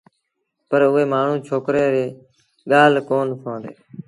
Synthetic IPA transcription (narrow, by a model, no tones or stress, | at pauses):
pəɾʊɦeːmaːɳ̤ũːt͡ʃʰoːkɾeːɾeː | ɠaːlkoːnsʰõːnd̪eː